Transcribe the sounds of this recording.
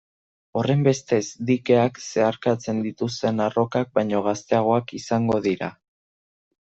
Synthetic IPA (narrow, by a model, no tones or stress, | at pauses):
o̞re̞mbe̞st̪e̞zd̪ike̞akse̞aɾkat͡se̞nd̪it̪ust̪e̞naro̞kak̚bajɲo̞ɣ̞ast̪e̞aɣ̞o̞akisaŋɡo̞ðiɾa̰